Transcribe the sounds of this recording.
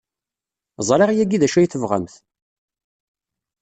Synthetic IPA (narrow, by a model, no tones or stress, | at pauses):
zˤɾˤeʁjæɡiðæʃæjθəvʁə̰mθ